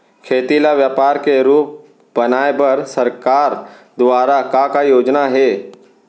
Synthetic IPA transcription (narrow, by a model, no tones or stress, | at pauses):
kʰeːt̪ilaʋjaːpaːɾkeɾuːp̚ | bɐnaːebɐɾsɐɾkaːɾ | d̪ʋaːɾakakajoːd͡ʒnaɦɛː